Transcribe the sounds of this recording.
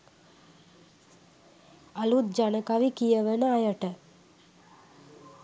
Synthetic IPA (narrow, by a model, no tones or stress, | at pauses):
ɐlut̪̚d͡ʒanəkaʋikijəʋənəajəʈə